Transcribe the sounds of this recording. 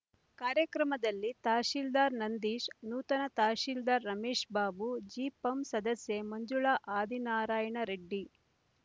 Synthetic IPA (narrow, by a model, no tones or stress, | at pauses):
kaːɾjɐkɾɐmɐd̪ɐlːit̪aːʃiːld̪aːɾnɐnd̪iːʃnuːt̪ɐnɐt̪aːʃiːld̪aːɾːɐmeːʂbaːbud͡ʒiːpɐmsɐd̪ɐsjemɐɲd͡ʒuɭaʔaːd̪inaːɾaːjɐɳɐɾeɖːi